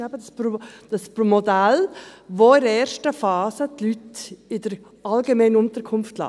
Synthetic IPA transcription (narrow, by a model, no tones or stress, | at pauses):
ɛbəspod̥ɑspɾomɔdælʋoɪɾɛːɾʃtəfɑːsətlytɪdəɾ | ɑlɡemɛɪnəʊntəɾkʰʊnftlɑ̰ː